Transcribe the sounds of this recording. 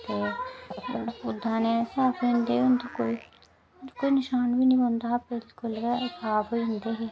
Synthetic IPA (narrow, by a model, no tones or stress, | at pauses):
t̪eː | ʊd̪ʱːãːneːsaːpond̪eːʊnd̪oːkoːiː | koːiːnɪʃaːnbiːnĩːbənd̪aːbɪlkʊləpaːboiʊ̃nd̪eːɦeː